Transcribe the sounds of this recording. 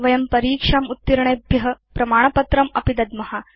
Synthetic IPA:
ʋɐjɐmpɐɾiːkʂaːmut̪ːiɾɐɳebʱjɐɦɐpɾɐmaːɳ̃ɐpɐt̪ɾɐmɐ̰pid̪ɐd̪̚mɐɦɐ

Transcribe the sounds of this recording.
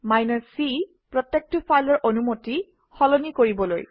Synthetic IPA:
majnɔɹsi | pɹɔtːɛk̚tɔpʰajlɔɹʔonumoti | xɔlɔnikoɹibɔlo̰j

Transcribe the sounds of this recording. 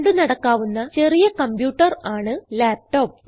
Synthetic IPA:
ɳɖɨnɐɽɐkːaːʋunːɐt͡ɕe̞rijɐkɐmbjuːʈːɐraːɳɨlaːp̚ʈo̞ːp

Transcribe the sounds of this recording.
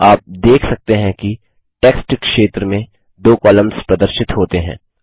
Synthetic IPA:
aːp̚d̪eːkʰsɐk̚t̪eɦɛ̃ki | ʈɛːksʈkʃeːt̪ɾəmẽ | d̪oːkɔːlə̃mspɾɐd̪əɾʃɪt̪ɦoːt̪eɦɛ̰̃ː

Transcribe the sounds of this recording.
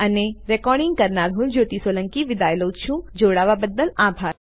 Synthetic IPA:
əneɾɛkɔːɾɽɪ̃ŋɡ̚kəɾnaɾɦũld͡ʒoːʈ̪isoləŋkiʋɪd̪ajlot͡ʃʰũd͡ʒoːɽaʋabəd̪ːəlabʱaːɾ

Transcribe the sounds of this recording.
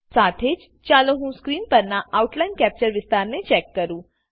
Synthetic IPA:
saːt̪ʰeːd͡ʒ | t͡ʃaːloɦũskɾiːnpəɾnaʔauʈlajnkɛːp̚t͡ʃəɾʋɪst̪aːɾnet͡ʃɛːkːəɾũ

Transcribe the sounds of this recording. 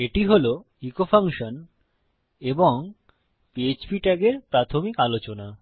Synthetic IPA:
eʈiɦolo | ikofʰaŋʃon | eboŋ | piet͡ɕbiʈɛɡeɾpɾat̪ʰomikalot͡ɕona

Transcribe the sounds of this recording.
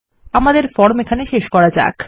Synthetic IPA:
amad̪eɾfɔɽmekʰaneʃeʃkɔɾad͡ʑa̰k

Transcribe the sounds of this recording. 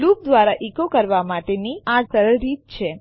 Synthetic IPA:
lup̚d̪ʋaɾaʔikokəɾʋamaʈeniʔasəɾəɾit̪̚t͡ʃʰe

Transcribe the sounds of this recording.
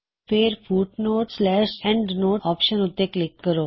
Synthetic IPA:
fɪɾfuːʈnoːʈslɛːʃɛ̃ɳɖnoːʈɔːpʃənʊt̪ːeklɪk̚t̪kəɾoː

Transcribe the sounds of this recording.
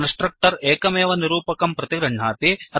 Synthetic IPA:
nsʈɾɐk̚ʈɐɾeːkɐmeːʋɐniɾuːpɐkɐmpɾɐt̪iɡɾɐɳɳaːt̪iɐ

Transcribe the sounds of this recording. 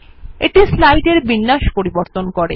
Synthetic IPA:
eʈislajɖeɾbinːaʃpoɾiboɾt̪onkoɾe

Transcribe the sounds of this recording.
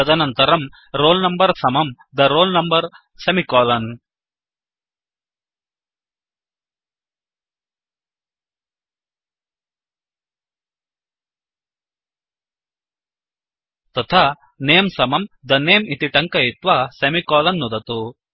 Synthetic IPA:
ɐd̪ɐnɐnt̪ɐɾɐm | ɾoːlnɐmbɐɾsɐmɐm | d̪ɐɾoːlnɐmbɐɾ | sɐmikɔːlɐn | t̪ɐt̪ʰaː | neːmsɐmɐmd̪ɐneːmit̪iʈɐŋkɐit̪ʋɐsɐmikɔːlɐnːud̪ɐt̪u

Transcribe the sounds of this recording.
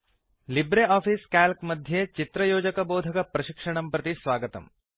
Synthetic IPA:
libɾeaːfʰiːskaːlkmɐd̪ʱjeːt͡ʃit̪ɾɐjoːd͡ʒɐkɐboːd̪ʱɐkɐpɾɐʃikʂɐɳ̃ɐmpɾɐt̪isʋaːɡɐt̪ɐ̰m

